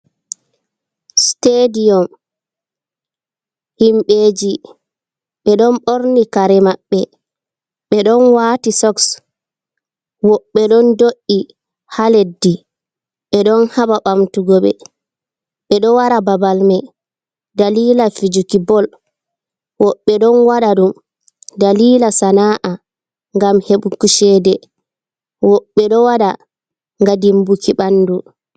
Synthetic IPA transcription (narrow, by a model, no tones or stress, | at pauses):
stedijɔm | himɓeːd͡ʒi | ɓɛɗɔnɓoɾnikaɾɛmaɓːɛ | ɓɛɗɔnwaːtisɔks | wɔɓːɛɗɔndoʔi | haledːi | ɓɛɗɔnhaɓaɓamtuɡɔɓɛ̰ | ɓɛɗɔwaɾababalmɛ | daliːlafid͡ʒukibɔl | wɔɓːɛɗɔnwaɗaɗum | daliːlasanaːʔa | ŋɡamheɓukuʃɛdɛ | wɔɓːɛɗɔwaɗa | ŋɡadimbukiɓanːdu